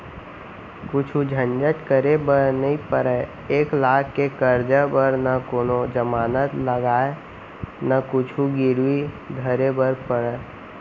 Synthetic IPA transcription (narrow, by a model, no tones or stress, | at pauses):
kʊt͡ʃʰud͡ʒʱə̃nd͡ʒət̪kəɾebəɾnəĩpəɾə | eːklaːɡkːekəɾd͡ʒəbəɾnəkoːnod͡ʒəmaːnət̪ləɡaːe | nəkʊt͡ʃʰuɡɪɾwi | ɡʱəɾebəɾpəɾə